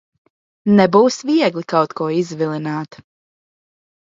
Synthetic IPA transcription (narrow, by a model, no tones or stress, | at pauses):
nɛbuːsviɛɡlˠikawt̪kuɔizvilˠinaːt̪